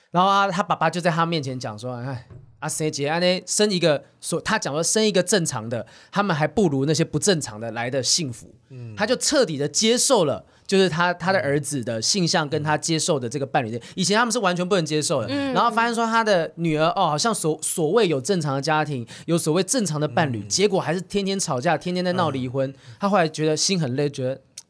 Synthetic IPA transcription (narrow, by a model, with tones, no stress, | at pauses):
na˧˥˦ŋxo˥˩ʊa˥˩t̪ʰa˥pa˨˩pa˦˥t͡ɕjo˥ʊt͡sa˥˩ɪt̪ʰa˥mjɛ˥˩nt͡ɕʰɛ˧˦nt͡ɕjɑ̰˨˩ŋʂwɔ˥a˥˩ɪa˥˩se˥˩ɪt͡ɕɛ˧a˥ne˥ɪʂə˦˥ni˧˥ɡə˧ | swɔ˨˩t̪ʰa˦˥t͡ɕjɑ˨˩ŋswɔ˥ʂə˦˥ni˧˥ɡə˨ʈ͡ʂə˥˩nʈ͡ʂʰɑ̰˧˥ŋd̪ə˨t̪ʰa˥mə˨nxa˧˥ɪpu˥˩ɻu˧˥na˥˩ɕ̬jɛ˦˥pu˧˥ʈ͡ʂə˥˩nʈ͡ʂʰɑ̰˧˦˥ŋd̪ə˨la˧˥ɪd̪ə˨ɕi˥˩ŋfṵ˨˧˦t̪ʰa˥t͡ɕjo˥˧ʊʈ͡ʂʰɤ˥˨t̪i˨˩d̪ə˦t͡ɕjɛ˥ʂo˥˩ʊlə̰˩ | t͡ɕjo˥˧ʂɻ̩˥˩t̪ʰa˥t̪ʰa˥d̪ə˨˩ʔə˞˧˥d͡zɹ̩˨d̪ə˦ɕi˥˧ŋɕɑ˥˩ŋkə˦˥nt̪ʰa˥t͡ɕjɛ˥ʂo˥˩ʊd̪ə˩ʈ͡ʂɤ˥˩ɡə˩pa˥˩nly˨˩˥jɛ˨˩˨i˨˩t͡ɕʰɛ˧˦nt̪a˥m˨ʂɻ̩˥˩wa˧˦nt͡ɕʰɥɛ˧˥np̬u˥˩ə˧˥ŋt͡ɕjɛ˥ʂo˥˩ʊd̪ə˨˩na˧˥ŋxo˥˩fa˥ɕjɛ˥˧nʂ̬wɔ˥t̪ʰa˥d̪ə˨ny˨˩ə˞˧˥ʔɔ˥˩xɑ˨˩ɕjɑ˥˩ŋsɔ˨˩swɔ˨˩we˥˩ɪjo˨˩ʊʈ͡ʂə˥˩nʈ͡ʂʰɑ˧˥ŋd̪ə˨˧t͡ɕja˥t̪ʰi˧˥ŋ | jo˧˥ʊswɔ˨˩we˥˧ɪʈ͡ʂə˥˩nʈ͡ʂʰɑ˧˥ŋd̪ə˨pa˥˩nly˨˩t͡ɕjɛ˧˥kwɔ˨˩xa˧˥ɪʂɻ̩˥˩t̪ʰjɛ˥nt̪ʰjɛ˥nʈ͡ʂʰɑ˨˩ʊt͡ɕja˥˩t̪ʰjɛ˥nt̪ʰjnt͡sa˥˧nɑ˥˩ʊli˧˥˩xwə˦nt̪ʰa˥xo˥˩ʊla˧˥ɪt͡ɕɥɛ˧˥d̪ə˧ɕi˥nxə˨˩nle˥˩ɪt͡ɕɥɛ˧˥d̪ə˨